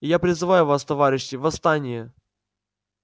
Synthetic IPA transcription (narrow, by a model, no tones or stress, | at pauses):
ɪjapɾʲɪzɨvajʊvast̪ɐvaɾʲɪɕːɪvɐst̪anʲɪjə